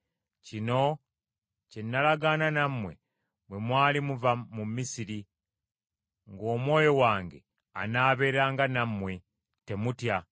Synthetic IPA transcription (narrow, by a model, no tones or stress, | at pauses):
cino̞ | cenːalaɡananamwe̞̰ | bwemwaːlimuvamumːisiɾi | ŋɡo̞ːmwo̞ːjo̞waːŋɡe̞̰ | a̰naːβe̞ːɾɾaːŋɡanamwe̞ | te̞mutja